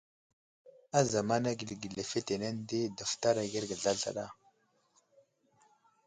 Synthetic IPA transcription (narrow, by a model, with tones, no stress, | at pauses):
a˦za˨ma˦na˦ɡi˨lɡi˨ɮe˨fe˦te˨na˦n˦de˦da˨fta˦ɾa˨ɡi˦ɾɡə˨ɮa˦ɮa̰˨ɗa˦˨